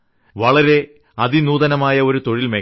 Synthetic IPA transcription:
ʋɐɭɐɾe̞ | ɐðinuːðɐnɐmaːjɐo̞ɾut̪o̞ɻilmeː

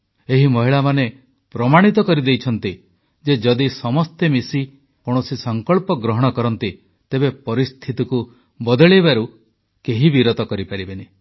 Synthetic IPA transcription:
eɦimɔɦiɭamane | pɾɔmaɽ̃it̪ɔkɔɾid̪ejt͡ʃʰɔnt̪i | d͡ʒed͡ʒɔd̪isɔmɔst̪emisi | kɔɽ̃ɔsisɔŋkɔɭpɔɡɾɔɦɔɽ̃ɔkɔɾɔnt̪i | t̪ebepɔɾist̪ʰit̪iku | bɔd̪ɔɭibaɾu | keɦibiɾɔt̪ɔkɔɾipaɾibene

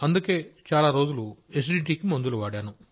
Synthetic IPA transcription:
ɐnd̪uke̞ːt͡ʃaːlaːɾo̞ːd͡ʒulue̞s̬ɖiːʈiːkimond̪uluʋaːɽaːnu

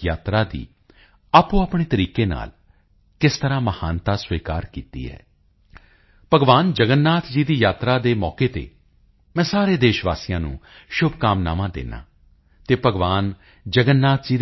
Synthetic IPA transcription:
jaːt̪ɾaːd̪ḭː | aːpũːapɳeːt̪əɾiːkeːna̰ːl | kɪst̪əɾãːməhaːnt̪aːsʋiːkaːɾkiːt̪ḭːɛ̰ː | pəɡʋaːnd͡ʒəɡənːaːt̪ʰd͡ʒiːd̪iːjaːt̪ɾaːd̪eːmɔːkeːt̪ḛː | mɛ̃ːsaːɾeːd̪eːʃʋaːsiːjãːnṵ̃ːʃʊbʱkaːmna̰ːmãːd̪ḛːna̰ː | t̪eːpəɡʋaːn | d͡ʒəɡənːaːt̪ʰd͡ʒiː

